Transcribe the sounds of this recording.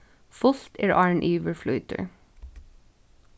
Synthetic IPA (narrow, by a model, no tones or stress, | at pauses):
fʊlt̪eːɹʔɑːɹɳʔiːʋəɹflʉʏt̪ʰə̰ɹ